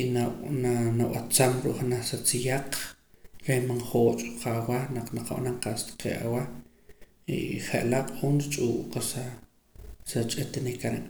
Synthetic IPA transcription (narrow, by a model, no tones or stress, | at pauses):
iananawat͡samɾṵʔχnaχsat͡sijaq͡χ | ɾejmanχoːt͡ʃʼɾuqʰawanaqnaqa̰ɓanaŋqast̪ḁqḛʔa̰wa | ḭχeʔlaqʼχunɾit͡ʃʼuːʔqasa | sat͡ʃʼet̪nekaɾeʔ